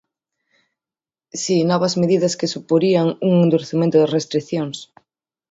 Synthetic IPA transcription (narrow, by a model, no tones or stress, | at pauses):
sinoβɐzmeðiðɐskesupoɾiaŋuŋend̪uɾeθimẽnt̪ʊðerest̪ɾiθjoŋs